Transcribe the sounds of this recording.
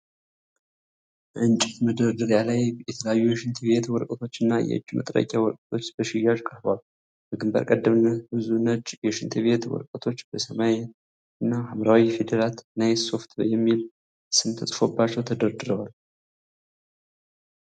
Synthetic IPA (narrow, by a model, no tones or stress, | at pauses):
ʔɨnt͡ʃʼit̪məd̪əɾd̪ɨɾjalajjɛt̪ʰələjajːujɛʃɨnt̪ʰɨβe̞t̪wɔɾkʼət̪ʰo̞t͡ʃːɨnːajɛ̰ɨ̰d͡ʒːmə̰t̪ʼɾə̰kʼːawɔɾkʼət̪ʰo̞t͡ʃːbəʃɪjːaʒkʼəhbal | bəɡɨmbə̰ɾkʼəd̪ːəmnːəbɨzunːət͡ʃːjɛʃɨnt̪ʰɨβe̞t̪wɔ̰ɾkʼət̪ʰo̞t͡ʃːbəsəmaj | ɨnːahamɾawife̞d̪əɾat̪najso̞ft̪bəjɛmːil | sɨmt̪ʰəsʼfo̞bːat͡ʃːɛwt̪ʰəd̪əɾd̪ɨɾəwal